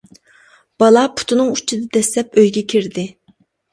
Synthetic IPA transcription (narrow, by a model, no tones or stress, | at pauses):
b̥ɑlˠɑpʰʊ̥t̪ʰunɨŋut͡ʃʰid̪ɛd̪ɛslɛpøjɡʲɛkʲʰiɾd̪ɪ